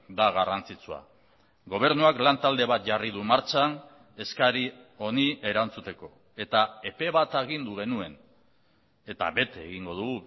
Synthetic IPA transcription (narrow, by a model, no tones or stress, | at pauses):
d̪aɣ̞arant͡sit͡sua̰ | ɡo̞β̞e̞ɾnuaklant̪ald̪e̞βat̪ʝarið̞umaɾt͡ʃan | e̞skaɾio̞niʔe̞ɾant͡sut̪e̞ko̞ | e̞t̪ae̞pe̞βat̪eɣind̪uɣe̞nue̞n | e̞t̪a̰βe̞t̪eːɣiŋɡo̞ðuɣu